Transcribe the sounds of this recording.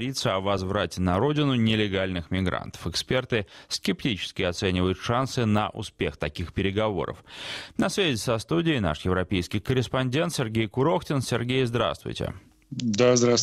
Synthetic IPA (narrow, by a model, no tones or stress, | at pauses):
ɾʲit̪səɐvɐzvɾatʲɪnɐɾo̞dʲɪnʊnʲɪlʲɪɡalʲnɨxmʲɪɡɾa̰nt̪ə̥fɨkspʲe̞rt̪ɨskʲɪptʲit͡ɕɪ̥skʲɪɐt̪sɛnʲɪvəjʊt̪ʂansɨnəʔʊ̰spʲext̪ɐkʲixpʲɪɾʲɪɡɐvo̞̰ɾə̰fnɐsvʲæzʲɪsɐst̪udʲɪːna̰ʂjɪvɾɐpʲejskʲɪjkəɾʲɪspɐnʲdʲe̞nt̪sʲɪrɡʲejkʊɾo̞xtʲɪnsʲɪrɡʲejzd̪ɾa̰st̪vʊ̰jtʲɪ̰ | d̪azd̪ɾas